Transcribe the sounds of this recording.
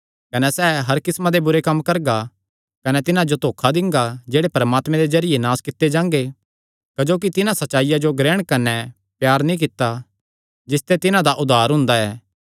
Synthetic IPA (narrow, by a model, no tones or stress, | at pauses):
kɐnɛsɛːɦɐɾkɪsmãd̪ebʊɾekɐmːkɐɾɡa | kɐnɛt̪ɪnãd͡ʒot̪oːkʰad̪ɪ̃ŋɡad͡ʒeːɽepɐɾəmaːt̪mɛ̃d̪ezɐɾɪjenaːskɪt̪ːed͡ʒãːŋ̆ɡe | kɐd͡ʒoːk̬it̪ɪnãsɐːt͡ʃːaːɪjad͡ʒoɡɾɛːɽ̃kɐnɛ | pjaːɾnĩk̬ɪt̪ːa | d͡ʒɪst̪et̪ɪnãd̪aʔʊd̪ʱaːɾɦʊ̃nd̪aɛː